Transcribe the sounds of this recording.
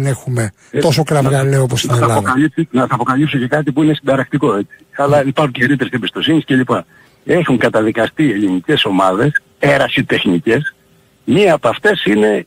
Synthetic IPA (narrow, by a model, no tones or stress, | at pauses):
nexume | t̪o̞sokɾɐvɣɐleoposɐɐeɐlɐokɐlisnɐθɐːpo̞kɐlipsoce̞kɐt̪̬ipuinesind̪ɐɾɐkt̪iko̞e̞t͡si̥ɐlɐipɐɾxuɲceɾit̪eɾisebist̪o̞sinisce̞lipɐ | e̞xuŋkɐt̪ɐðikɐst̪ie̞linice̞so̞mɐðe̞s | e̞ɾɐsit̪e̞xnice̞s | miɐːpoɐft̪e̞sine̞